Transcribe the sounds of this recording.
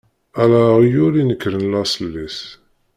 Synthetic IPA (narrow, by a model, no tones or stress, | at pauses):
ælæʁijuɾinəkːɾənlæsˤəlːis